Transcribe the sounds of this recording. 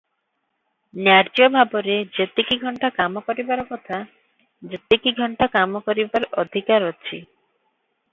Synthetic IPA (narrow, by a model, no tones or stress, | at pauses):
njaɾd͡ʒiɔbʱabɔɾed͡ʒet̪ikiɡʱɔɳʈakamɔkɔɾibaɾɔkɔt̪ʰa | d͡ʒet̪ekiɡʱɔɳʈakamɔkɔɾibaɾɔd̪ʱikaɾɔt͡ʃʰḭ